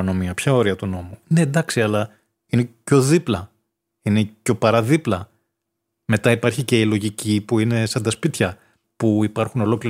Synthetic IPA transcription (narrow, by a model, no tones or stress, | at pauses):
no̞miɐpçɐo̞ɾiɐt̪uno̞mune̞nd̪ɐksiɐlɐ | ine̞co̞ðiplɐ | ine̞co̞pɐɾɐðiplɐ | me̞t̪ɐipɐɾçice̞ilo̞ʝicipuine̞sɐnd̪ɐspit̪çɐ | puipɐɾxuno̞lo̞kli